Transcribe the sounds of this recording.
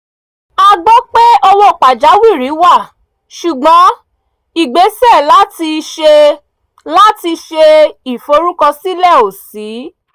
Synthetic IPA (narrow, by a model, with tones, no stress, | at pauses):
a˧ɡ͡bɔ˦k͡pe˦ɔ˦lo˦˨k͡pa˨d͡ʒa˨˦wi˦˨ɾi˨˦wa˦˨ | ʃu˨ɡ͡bɔ̃˨˦ | i˨ɡ͡be˨˦sɛ˦˨la˦ti˧ʃe˧ | la˦ti˧ʃe˧i˨fo˧˦ɾu˦kɔ˧si˦lɛ˦˨o˨si˨˦